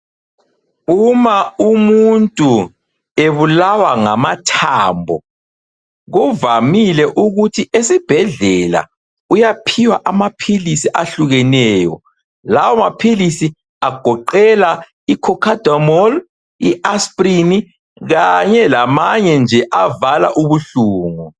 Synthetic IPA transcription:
umaumuntʼu | eβulawaŋamatʰaːmbʱɔ | ɣuvamilɛʔuɣutʰiʔesib̥ʱɛɮɛla̰ | ujapʰiwaʔamapʰilisiʔaɬuɣɛnɛːjɔ̰ | lawɔamapʰilisi | aɡ̥ʱɔǃɛla | ikʰɔkʰad̥ʱɔmɔl | iʔaspʼrini | ɣaɲɛlamaɲɛnd͡ʒʱɛʔavala̰ʔuβuɬuːŋu

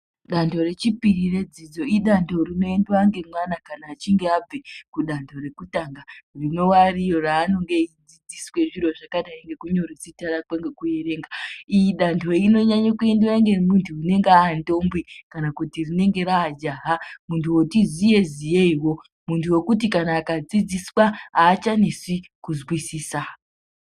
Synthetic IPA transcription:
ɗandʰo̞re̞t͡ʃipiɾire̞d͡zid͡zo̞iɗantʰo̞rino̞e̞ndwaŋɡe̞mwanakanaːt͡ʃiŋɡeab͡vekuɗantʰo̞ɾe̞kutaŋɡarino̞warijo̞raːno̞ŋɡe̞id͡zid͡ziswe̞ʐiɾo̞ʐakaɗaeŋɡe̞kuɲo̞rit͡sitaɾakweŋɡe̞kue̞ɾe̞ːŋɡaijiɗantʰo̞ino̞ɲaɲokue̞ndiwaŋɡe̞muntʰuːne̞ŋɡeaːndo̞mbwikanakutirine̞ŋɡe̞ɾaːd͡ʒaɦamuntʰuwo̞tizije̞zijeiwo̞ | muntʰuwe̞kut̬ikanaːkad͡zid͡ziswaaːt͡ʃanesikuzwisiːsa

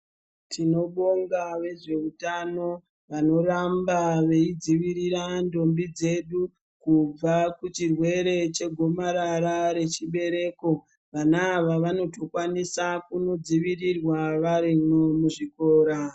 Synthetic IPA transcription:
tʰino̞ɓo̞ŋɡaʋe̞ʐe̞utano̞ | ʋano̞rambaʋe̞id͡ziʋiɾiɾando̞mbid͡ze̞ɗu | kub͡vakut͡ʃirwe̞ɾe̞t͡ʃe̞ɡʱo̞maɾaɾaɾe̞t͡ʃiɓe̞ɾe̞ːko̞ | ʋanaːʋaʋano̞to̞kwanisakuno̞d͡ziʋirirwaʋaɾimomuʐikoːɾa

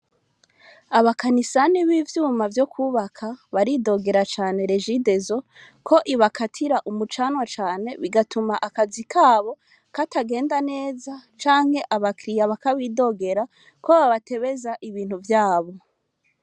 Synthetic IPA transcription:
aβakanisaniβiːvjuːmavjo̞kʰuːβakʰaβaɾido̞ɡe̞ɾat͡ʃaːne̞ɾe̞ʒide̞zo̞ | kʰo̞ʔiβakʰatʰiɾaʔumut͡ʃaːnwat͡ʃaːne̞βiɡatumaʔakazikʰaːβo̞ | kataɡe̞ːndane̞ːzat͡ʃaːŋ̥he̞ʔaβakɾijaβakaβiːdo̞ɡe̞ɾa | ko̞βaβatʰe̞βe̞zaʔiβiːn̥huvjaːβo̞

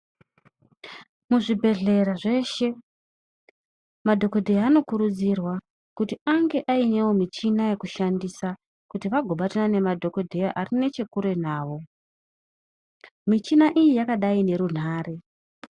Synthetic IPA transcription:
muʐibʱe̞ɮe̞ɾaʐe̞ʃe̞ | madʱo̞ko̞dʱejaːno̞kuɾud͡zirwa | kutiaŋɡe̞ʔaine̞wo̞mit͡ʃinaje̞kuʃandisa | kutiʋaɡʱoɓatanane̞madʱo̞ko̞dʱejaʔarine̞t͡ʃe̞kuɾe̞naːʋo̞ | mit͡ʃinaʔijijakaɗaine̞ɾun̤aːre̞

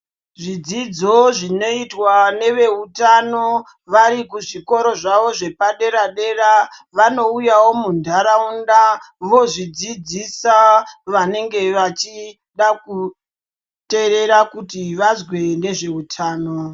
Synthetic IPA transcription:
ʐid͡zid͡zo̞ʐino̞itwane̞ʋe̞utano | ʋaɾikuʐiko̞ɾo̞ʐaʋo̞ʐe̞paɗe̞ɾaɗe̞ɾaʋano̞ujawo̞mundʱaɾaunda | ʋo̞ʐid͡zid͡zisaʋane̞ŋɡe̞ʋat͡ʃi | ɗaku | te̞ɾe̞ɾakutiʋazwe̞ne̞ʐe̞utʰaːno

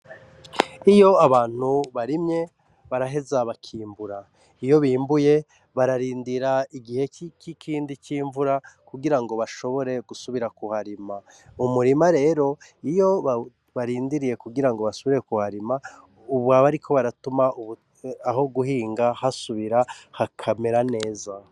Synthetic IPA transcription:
ijo̞aβaːn̥huβaɾimɲe̞ | βaɾaɦe̞zaβakʰiːɱbuɾa | ijo̞βiːmbuje̞ | βaɾaɾiːndiɾaiɡihe̞kikʰiːndikʰiːɱvuɾakuɡiɾaŋɡo̞βaʃo̞βo̞ɾe̞ɡ̥usuβiɾakuhaɾima | umuɾimaɾe̞ːɾo̞ijo̞ | βaɾiːndiɾije̞kuɡiɾaŋɡo̞βasuβiɾe̞kuhaɾima | uβwaβaɾikʰo̞βaɾatumauβu | aɦo̞ɡuhiːŋɡahasuβiɾahakʰame̞ɾane̞ːza

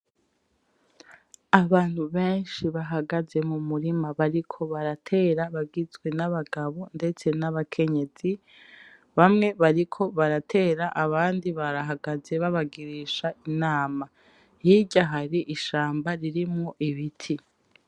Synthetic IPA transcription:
aβaːn̥huβe̞ːnʃiβaɦaɡaze̞mumuɾimaβaɾikʰo̞βaɾatʰe̞ːɾaβaɡizɡwe̞naβaɡaβo̞nde̞t͡se̞naβakʰe̞ɲe̞z̥i | βamŋe̞βaɾikʰo̞βaɾatʰe̞ːɾaʔaβaːndiβaɾaɦaɡaze̞βaβaɡiɾiʃaʔinaːma | jiɟaɦaɾiʔiʃaːmbaɾiɾimŋoʔiβitʰi

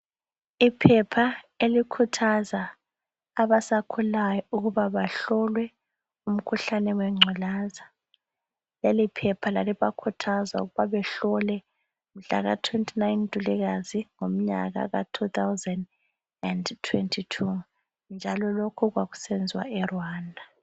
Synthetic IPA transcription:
ipʰɛpʰa | elikʰutʰazaː | βasakʰulajɔuɣuβaβaɬɔlwɛ | um̩kʰuɬanɛwɛŋ͡ǀʱɔlaːza | lelipʰɛpʰalaliβakʰutʰazauɣuβaβɛɬɔlɛ | m̩ɮa̰ɣa̰tʰwentʰinajntʼuliɣaziŋom̩ɲa̰ɣa̰ɣa̰tʰut̪awzɛnd | ɛndtʰwɛntʰitʰu | nd͡ʒʱalɔlokʰuɣwaɣu̥sɛnd͡zʱwa̰ɛrwaːndʱa

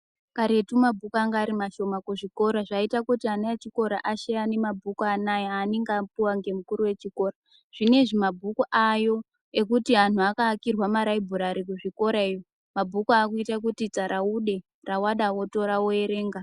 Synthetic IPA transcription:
kaɾe̞tumabʱukuaŋɡaːɾimaʃo̞makuʐiko̞ɾaʐaitakutianajat͡ʃiko̞ɾaʔaʃejane̞mabʱukanajaːneŋɡapuwaŋɡe̞mukuɾuwe̞t͡ʃiko̞ːra | ʐ̥ine̞ʐimabʱukuʔajo̞ | e̞kutiɦan̤uakaːkirwamaɾaibʱuɾaɾik̬uʐiko̞ɾaejo | mabʱukakuitak̬utit͡saɾʔauɗe̞ | rawaɗawo̞to̞ɾawoeɾe̞ːŋɡa

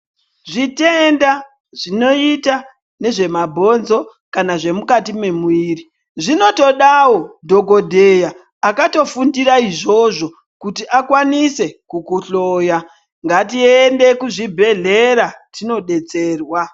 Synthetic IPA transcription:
ʐitenda | ʐ̥ino̞ita | ne̞ʐe̞mabʱo̞nzo̞ | kanaʐe̞mukatime̞muiːri | ʐino̞to̞ɗawo̞dʱo̞ɡo̞dʱe̞jaː | kato̞fundiɾaiʐo̞ʐo̞ | kutiʔakwanise̞kukuɬo̞ːja | ŋɡatiende̞kuʐibʱe̞ɮe̞ɾatino̞ɗe̞t͡se̞ːrwa

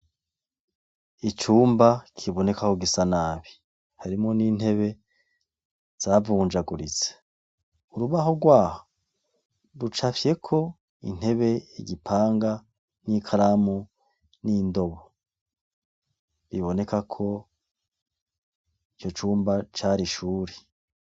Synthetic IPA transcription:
it͡ʃuːmbakʰiβo̞ne̞kakoɡisanaβi | haɾimŋo̞niːn̥he̞βe̞ | z̥avuːnd͡ʒaɡuɾit͡se̥ | uɾuβaɦo̞ɡwaːho | ɾut͡ʃafje̞kʰo̞ | ḭn̥he̞βe̞iɟipʰaːŋɡa | nikʰaɾamu | niːndo̞βo | βiβo̞ne̞kakʰo̞ | it͡ʃo̞t͡ʃuːmbat͡ʃaːɾiʃuːɾe

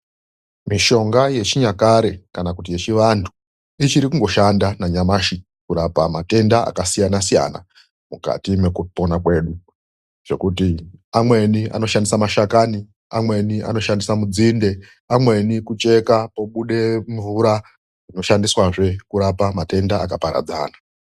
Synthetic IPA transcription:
miʃo̞ŋɡaje̞t͡ʃiɲakaɾekanakutije̞t͡ʃiʋantʰu̥ | it͡ʃiɾikuŋɡo̞ʃandanaɲamaʃi | kuɾapamate̞ndaa̰kasijanasija̰na̰ | muka̰time̞kupo̞nakwe̞ːɗu | ʐ̥e̞kutiamwe̞nia̰no̞ʃandisamaʃakani | amwe̞nia̰no̞ʃandisamud͡zinde̞ | amwe̞nikut͡ʃe̞kapo̞ɓuɗe̞ɱvuɾa | ino̞ʃandiswaʐe̞kuɾapamate̞ndaakapaɾa̰d͡za̰ːna

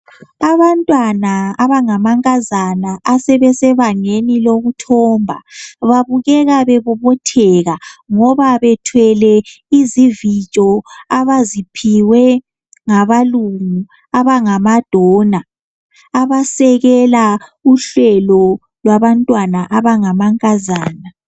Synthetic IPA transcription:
aβantʼwanaaβaŋamaŋʼazanaʔasɛβɛsɛβaŋeniloɣutʰɔːmbʱa̰βaβuɣɛɣaβɛβɔβɔtʰɛɣaŋɔβaβɛtʰwɛlɛ | izivit͡ʃʼɔaβazipʰiwɛ | ŋaβaluŋu | aβaŋamad̥ʱɔːna | aβasɛɣɛlauɬɛlɔ | lwaβantʼwanaʔaβaŋamaŋkʼazaːna

